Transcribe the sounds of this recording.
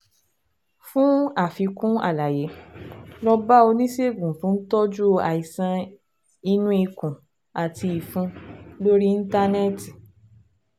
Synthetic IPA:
fũ˦a˦˨fi˧kũ˦a̰˦˨la˨je˨˦lɔ˧ba˦o˧nĩ˦se˦˨ɡũ˨fũ˦n̩˦tɔ˦d͡ʒu˦a˨i˨sã˧ | i˧nũ˦i˧kũ˨ | a˨tʰi˧i˨fũ˧lo˦ɾi˦n̩˦ta˦ne˦ti˨

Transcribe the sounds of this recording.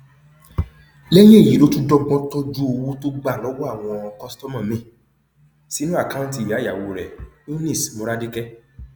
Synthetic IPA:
lɛ˦je˦˨ji˨˦lo˦tũ˦dɔ˦ɡ͡bɔ̃˦tɔ˦d͡ʒu˦o˧wo˦to˦ɡ͡ba˦˨lɔ˨˦wɔ˦a˦˨w̃ɔ̃˧kɔ˦stɔ˦mã˦˨mĩ˨˦˨ | si˨˦nũ˦a˦˨ka˦ũ˦ti˦˨jja˨wo˧˨ɾɛ˨u˦nĩ˦˨smo˨˧ɾa˦de˦kɛ˦

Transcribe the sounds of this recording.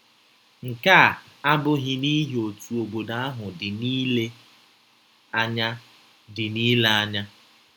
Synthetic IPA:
ŋ̩˨ka˦˨ | a˦bʊ˦ɦɪ˦ni˦ɦe˨o˨tu˨o˨bo˨da˦a˦ɦʊ˨dɪ˨niː˦le˦ | a˦ɲa˦ | dɪ˨niː˦le˦a˦ɲa˦

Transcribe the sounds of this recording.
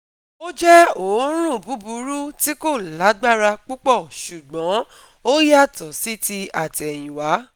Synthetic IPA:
o˦d͡ʒɛ˦o˨˦ɾ̃ũ˦˨bu˨˦bu˨˦ɾu˦ti˦ko˦˨la˨˦ɡ͡ba˦˨ɾa˧k͡pu˦k͡pɔ˦˨ʃu˨ɡ͡bɔ̃˨˦ | o˦ja˦˨tɔ˨si˦ti˧a˨ti˨ɛ˨j̃ĩ˨wa˨˦

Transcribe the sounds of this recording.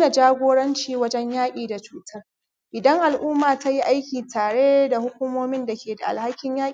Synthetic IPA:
na˨d͡ʒaː˦ɡʷoː˦ɽɐ˦nt͡ʃiː˨wɐ˦d͡ʒɛ˦ɲjaː˦kʲʼiː˨da˨t͡ʃuː˦tʰɐ˦r | ʔɪ˨dɐ˦ŋʔa˨lʔʊː˦maː˨ta˦ji˦ʔa˦jkʲiː˨tʰaː˨ɽe˦da˨hʊ˦kʷʊ˦moː˦mɪ˦nda˨kʲeː˨da˨ʔa̰˨lha˦kʲːɪ˦ɲjaː˦˨

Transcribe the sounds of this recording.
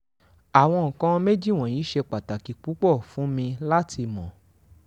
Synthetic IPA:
a˨w̃ɔ̃˧ŋ̩˨kã˧˦˧me˦d͡ʒi˦˨w̃ɔ̃˨jĩ˨˦ʃe˧k͡pa˨ta˨ki˨k͡pu˨˦k͡pɔ˦˨fũ˨˦mĩ˧la˦tʰi˧mɔ̰̃˨

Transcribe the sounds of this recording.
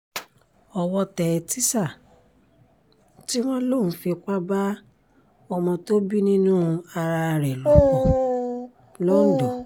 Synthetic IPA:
ɔ˧wɔ˧tɛ˨ti˦sa˦˨ | ti˦w̃ɔ̃˦lo˦˨ũ˨˦fi˧k͡pa˦ba˦ | ɔ˧mɔ̃˧to˦bi˦nĩ˦nũ˦a˧ɾa˧ɾɛ˨lɔ˨˦k | lɔ˦n̩˦dɔ˨

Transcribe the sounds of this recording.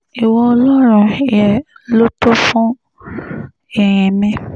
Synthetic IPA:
i˨wɔ̃˧ɔ˧lɔ˦ɾ̃ũ˦˨jɛ˨lo˦tɔ˦fũ˦ | ɛ˨j̃ĩ˨mĩ˧

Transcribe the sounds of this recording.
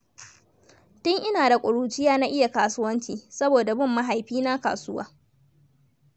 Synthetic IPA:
tʊ˦ŋʔɪ˦naː˨da˨kʷʼʊ˨ɽuː˦t͡ʃɪ˦jaː˦naː˦ʔɪ˦ja˨kaː˨sʊ˦wɐ˦nt͡ʃiː˨sɐ˦boː˨da˨bʊ˦mːa˦ɦa˨jɸiː˦naː˦ka̰ː˨sʊ˦wa̰ː˦

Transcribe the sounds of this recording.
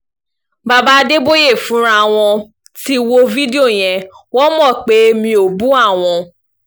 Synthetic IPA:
ba˧ba˦de˦bo˦je˦˨fũ˨˦ɾ̃a˦˨w̃ɔ̃˧ | ti˦wo˧vi˦di˦o˦˨j̃ɛ̃˨ | wɔ˦mɔ̃˦˨k͡pe˨˦mĩ˧o˨bũ˦a˦˨w̃ɔ̃˧

